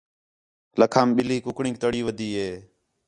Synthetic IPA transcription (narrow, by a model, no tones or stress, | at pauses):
ləkʰaːmɓɪliːkʊkɳĩːk̚t̪əɽiːʋəd̪iːɦeː